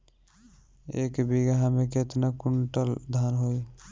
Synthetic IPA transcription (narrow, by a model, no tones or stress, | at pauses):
ḛkbiɡɦameket̪nakuɳʈəld̪ʱanɦoj